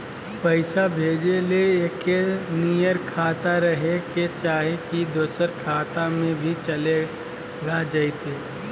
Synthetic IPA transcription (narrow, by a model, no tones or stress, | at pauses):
pəɪsabʱeːd͡ʒeleeːkːenijəɾkʰaːt̪aɾɐɦeket͡ʃaːɦekid̪oːsəɾkʰaːt̪amẽbʱit͡ʃɐle | ɡad͡ʒait̪eː